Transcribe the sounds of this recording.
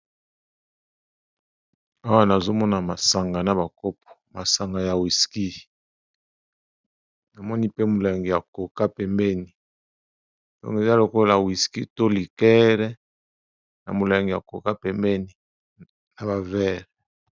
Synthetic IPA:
a˦wa˦na˨zo˦mɔ˦na˨ma˨sa˨ŋɡa˨na˨ba˨ko˦p̚ɔ̥˨ma˨sa˨ŋɡa˨ja˨wi˨ski˦ | na˨mɔ˦ni˦pe˦mo˨la˨ŋɡi˨ja˨ko˨ka˦pɛ˨mbɛ˦ni˨ | d̥ɔ̰˦ŋɡe˨za˦lo˨ko˦la˨wi˨ski˦to˦li˨kɛ˦ʁɛ˦ | na̰˨mo˨la˨ŋɡi˨ja˨ko˨ka˦pɛ˨mbɛ˦ni˨ | na˨ba˨vɛ˦ʁɛ˨

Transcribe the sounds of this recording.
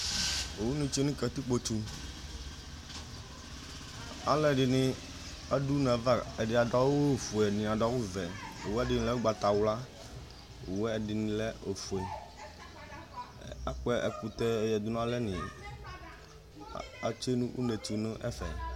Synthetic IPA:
o˨wu˦nũ˦t͡ʃe˦nĩ˦kɛ˨t̪i˦k͡po˦t͡ʃu˦ | a˨lɛ˦˨ɖɪ˨nɪ̃˨ | a˦ɖu˦nɛ̃˨va˦ɛ˨ɖɪ˨a˨ɖɔ˦wo˦˨fu˨ɛ˨nĩ˨a˨ɖɔ˨˦wu˦vɛ˨o˨wɛ˦ɛ˦˨dɪ˨nĩ˨lɛ˦wu˦ɡ͡ba˨t̪a˨wla˦ | o˨wɛ˦ɛ˨ɖɪ˨nĩ˨lɛ˦o˨fu˨ɛ˨ | a̰˦kɛ˦ʔɛ˨ku˨t̪ɛ˦ɛ˨jɛ˨d̪u˦nũ˦a˦lɛ˦nɪ̃˨ | a̰˨t͡ʃe˦nũ˦ʔṵ˦ne˨t͡ʃu˨nʊ̃˦ʔɛ̰˦fɛ̰˨

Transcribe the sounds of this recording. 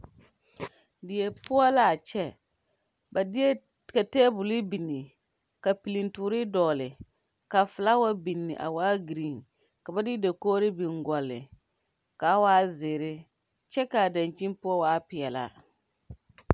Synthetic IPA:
dɪ˨ɛ˨pʊ˦ɔ˦la˨t͡ʃɛ˦ | ba˨˦ | ka˨tɛː˦bʊ˨lɪ˦bi˨nːɪ˨ | ka˨pi˨li˨ntuː˨ɾɪ˦dɔː˨lɪ˨ | ka˨fʊ˨la˦wa˦bi˨nːɪ˨ʔa̰˨waː˦ɡɾi˦˨n | ka˨ba˦dɪ˦da˨koː˦ɾɪ˦bi˨ŋɡɔ˨lːɪ̰˨ | ka˨˦waː˦zɪː˨ɾɪ˦ | t͡ʃɛ˦ka˨da˨nt͡ʃi˦n˦pʊ˦ɔ˦waː˦pɪ˨ɛ˨la̰˨

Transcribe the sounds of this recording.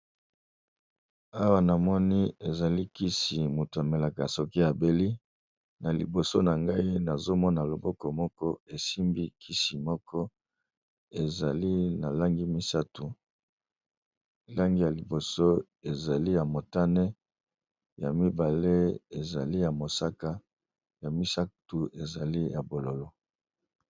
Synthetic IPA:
a˦wa˦na˨mɔ˦ni˦e˨za˨li˦ki˦si˨mo˨tu˨a˨me˨la˨ka˨so˨ki˦ja˨be˨li˦ | na˨lḭ˨bo˨so˦na˨ŋɡa˦i˦na˨zo˦mɔ˦na˨lo˨bɔ˦kɔ˨mɔ˦kɔ˦e˨si˦mbi˦kʰi˦si˨mɔ˦kʰɔ˦ | e˨za˨li˦na˨la˦ŋɡi˦mi˦sa˦tu˨ | la˦ŋɡi˦ja˨li˨bo˨so˦ | e˨za˨li˦ja˨mo˨ta˦nɛ˦ | ja˨mi˦ba˨le˦e˨za̰˨li˦ja˨mo˨sa˦ka˦ | ja˨mi˦sa˦tu˨e˨za˨li˦ja˨bo˨lo˨lo˦

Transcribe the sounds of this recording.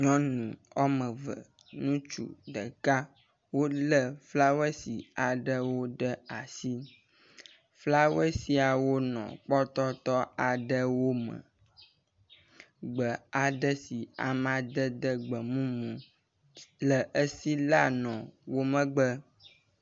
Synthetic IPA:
ɲɔ̃˦nũ˨ɔ˦mə̃˨və̰˨ | nũ˦t͡ʃṵ˨ɖə̰˨ka˦ | wo˦lə˦fla˦wə˦si˨a˨ɖə˦wo˦ɖə˦a˨si˦ | fla˦wə˦si˦a˨wo˦nɔ̰̃˨k͡pɔ˦t̪ɔ˦t̪ɔ˦a˨ɖə˦wo˦mə̰̃˨ | ɡ͡bə˨a˨ɖə˦si˨a̰˨mã˨d̪ə˦d̪ə˦ɡ͡bə˨mũ˦mũ˨ | lə˨ʔə˦si˦la˦nɔ̃˨wo˦mə̃˦ɡ͡bə˦

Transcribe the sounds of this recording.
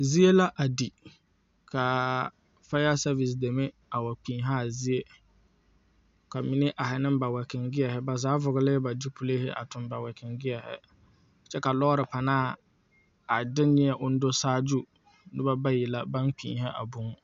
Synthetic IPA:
zi˦e˦la˦ʔa˨di˨ | kʰa˨ | fa˦a˦sa˦vi˨s̬de˨me˦ | a˨wa˨k͡piː˨ɦaː˦˨zi˦e˦ | ka˨mɪ˨nɪ˦ʔa˨ɦɪ˨nɪ˦mba˨wɛ˨kɪ˨ŋɡɪ˦ɛ˨hɪ˦ba˨zaː˨˦vʊ˨ɣɪ˦lɪ˦ba˨d͡ʒi˦pʰu˦le˦hɪ˦ʔa̰˨tʊ˨mba˨wɛ˨kʰɪ˨ŋɡɪ˦ɛ˨hɪ̰˦˨ | t͡ʃɛ˦ka˨lɔ˦ɾɪ˨pa˨naː˦˨ | a˨dɪ˦nɲɪ˦ɛ˨ʔʊ˦n̩˦do˦saː˦d͡ʒu˦ | nɪ˦ba˦ba˦jɪ˨la˦ba˦nk͡pḭː˨ɦɛ˦ʔa̰˨bʊ˦ŋ˦

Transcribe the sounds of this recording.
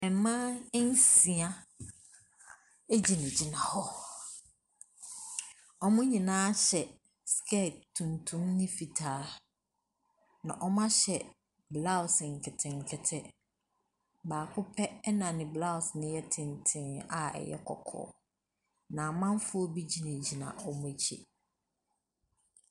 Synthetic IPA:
ɛ˨mã˦n̩˦sĩ˨a˦ | e˦d͡ʑi˨nɪ̃˨d͡ʑi˦nã˨hɔ˦ | ɔ˦mʊ̃˦ɲĩ˨nãː˦ɕɛ˨ | skʰɛ˦˨tʰːũ˨ntʰũ˦mnɪ̃˦fi˨tʰaː˨˦ | nã̰˨ʔɔ˦mã˦ɕɛ˨ | bla˦˨ʊ˨sɪ˨ŋ̩˨kʰɪ˨tʰɪ̃˨ŋ˨kʰɪ˨tʰɛ˦ | baː˨kʰʊ˦pʰɛ˦nã˨nɪ̃˨bla˦ʊ˨snɪ̃˦jɛ˦tʰɪ̃˨n˨tʰɪ̃˨na˨ɛ̰˨jɛ̰˦kʰɔ̰˨kʰɔ̰ː˦˨ | nã˨mã˦n˦fʊ˦ɔ˦bi˦d͡ʑi˨nɛ̃˨d͡ʑi˨nã̰˨ɔ˦mʊ̃˦æ˨t͡ɕʰḭ˦˨

